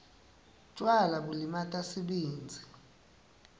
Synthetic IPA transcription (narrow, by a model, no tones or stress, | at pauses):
t͡ʃʼwalaɓulimatʼasiɓeːnd͡zʱi